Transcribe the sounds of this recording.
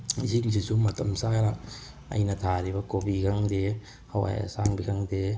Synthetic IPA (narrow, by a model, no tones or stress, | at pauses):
iziŋzisumɐtɐmsaɾa | ɐ̰jnɐtʰaɾibɐkobikʰaŋde | hawa̰jɐ̰saŋbikʰaŋde